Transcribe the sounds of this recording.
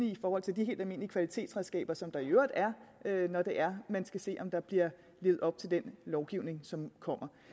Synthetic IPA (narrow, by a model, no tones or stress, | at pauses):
iifɒːhɒ̽l̰t͡sʰe̝ld̥ihɦe̝̰ːld̥æme̝̰ːn̰liəkʰʋælit͡sʰe̝̰ːd̥sʁɛðˠsɡ̥ɛ̰ːb̥ɐsɒ̽md̥ɑ̈iøʊɐd̥æɐønɒd̥e̝ʔæɐmænsɡ̥æse̝̰ːʔɒ̽md̥ɑ̈b̥liɐ̰ | le̝ːð̩ˠɒ̽b̥̚t͡sʰe̝ld̥enlɒʊɡ̥iʊne̝ŋsɒ̽mkʰɒ̽m̰ɐ